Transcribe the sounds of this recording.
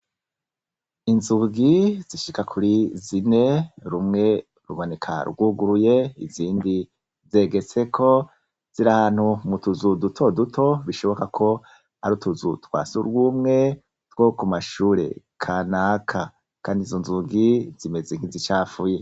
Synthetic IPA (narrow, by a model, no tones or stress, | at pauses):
inzuɡiz̥iʃikakʰuɾizine̞ɾumŋe̞ | ɾṵβone̞kʰa̰ɾɡuɡuɾuje̞ḭziːndi | ze̞ɡe̞t͡se̞kʰo̞ | z̥iɾahaːn̥humutuzudutʰo̞dutʰo̞βiʃo̞βo̞kakʰo̞ | aɾutuzutwa̰ːsuɾɡuːmŋe̞ | t̪wo̞kumaʃuːɾe̞̰ | kʰaːnaːkʰa | kaːndizo̞nzuɡizime̞zeŋ̥izit͡ʃaːfuje